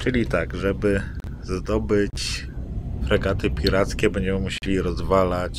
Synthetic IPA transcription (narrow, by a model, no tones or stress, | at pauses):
t͡ʂɘlʲit̪aɡʐɛbɘ | zd̪ɔbɘt͡ɕ | fɾɛɡat̪ɘpʲiɾat̪skʲɛbɛɲd͡ʑɛmɘmuɕelʲiɾɔzvalat͡ɕ